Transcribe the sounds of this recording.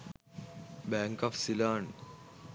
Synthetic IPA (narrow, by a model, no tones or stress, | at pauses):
bæːŋkaːfsilaːn